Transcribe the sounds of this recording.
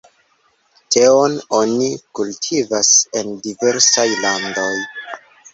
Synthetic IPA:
tʰe̞o̞no̞nikultʰivase̞ndive̞ɾsajlando̞j

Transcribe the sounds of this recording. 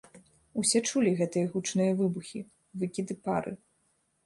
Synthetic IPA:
usʲɛt͡ʂulʲiɣɛt̪ɨjɐɣut͡ʂnɨjɐvɨbuxʲi | vɨkʲid̪ɨpaɾʔɨ̰

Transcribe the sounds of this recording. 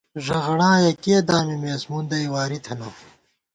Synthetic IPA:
ʐɐʁɐɽãːjɐkiːd̪aːmimeːsmund̪ɐjwaːɾit̪ʰɐnɐ

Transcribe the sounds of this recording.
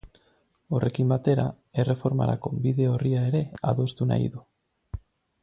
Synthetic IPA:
o̞re̞kimbat̪e̞ɾa | e̞refo̞ɾma̰ɾa̰ko̞biðe̞o̞riae̞ɾe̞aðo̞st̪una̰jðu

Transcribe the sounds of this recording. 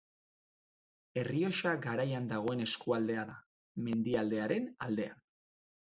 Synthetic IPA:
e̞rio̞ʃaɡaɾajand̪aɣ̞o̞e̞ne̞skuald̪e̞aða | me̞nd̪iald̪e̞aɾe̞nald̪e̞a̰n

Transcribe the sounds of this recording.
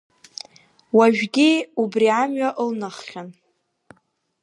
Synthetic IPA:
waʒᶣɡʲiubriamɥaʔlnaχχʲan

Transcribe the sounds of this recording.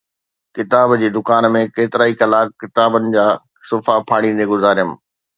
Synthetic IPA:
kɪt̪aːbd͡ʑeːd̪ʊkaːnmẽkeːt̪ɪɾaːikɐlaːkkɪt̪aːbənɪ̆d͡ʑaː | sʊfapʰaːɽ̃ĩːn̆d̪eɡʊzaːɾjəm̆

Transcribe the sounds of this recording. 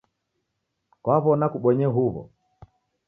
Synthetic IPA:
kwaβɔnakuɓɔɲɛɦuβɔ̰

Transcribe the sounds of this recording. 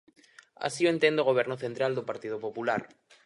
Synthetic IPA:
a̰sioent̪end̪oɣ̞oβ̞ɛɾnoθent̪ɾald̪opaɾt̪ið̞opopulaɾ

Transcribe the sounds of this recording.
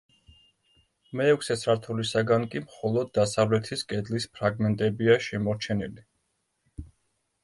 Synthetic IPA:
mɛːkʰʷsɛt̪sʰɾaɾt̪ʰulisaɡankʼimχɔlˠɔd̪̚ːasavlɛt̪ʰiskʼɛd̪lispʰɾaɡmɛnt̪ʼɛbiaʃɛmɔɾt͡ʃʰɛnili

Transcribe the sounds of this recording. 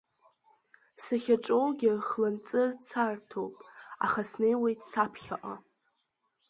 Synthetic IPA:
saχʲaʈ͡ʂʼowɡʲɪχlɨnt͡sʼɨrt͡sʰartʰowpʼa̰χasnejwejtʰʼsapʰχʲa̰ʔʼa

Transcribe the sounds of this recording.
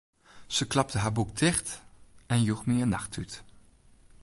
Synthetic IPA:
z̥əklɑp̚təɦaːɹbuk̚dɪχtɛnjuxmiənːɑχtyt

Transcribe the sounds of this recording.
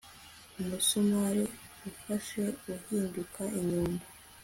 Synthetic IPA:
umusomaɾeufaʃe̞ɡuhiːndukaʔiɲuːmba

